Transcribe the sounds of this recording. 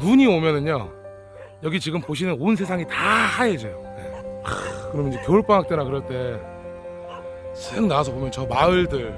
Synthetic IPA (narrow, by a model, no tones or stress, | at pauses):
nuɲiomjʌnɯɲo̰ | jʌɡit͡ɕiɡɯmpoɕ̬ʰinɯnonsʰe̞sʰaŋitahaed͡ʑejojḛ | kɯɾʌmjʌnid͡ʑekjoɭp͈aŋɦak̚t͈enakɯɾʌɭt͈e̞ | sʰeŋnaasʰʌbomjʌnt͡ɕʌmaɯɭdɯɭ